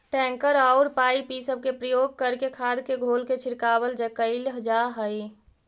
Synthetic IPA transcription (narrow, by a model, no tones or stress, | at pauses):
ʈɛ̃ŋkəɾaʊɾpaipisəb̚kepɾəjoɡ̚kəɾkekʰad̪keɡʱolket͡ʃʰiɾkabəld͡ʒekəɪlɦəd͡ʒaɦəj